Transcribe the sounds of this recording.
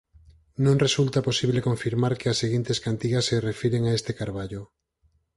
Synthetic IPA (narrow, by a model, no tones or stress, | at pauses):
nõŋresult̪aposiβlekoɱfiɾmaɾkeasːeɣint̪eskant̪iɣasːerefiɾeŋaest̪ekaɾβaʎo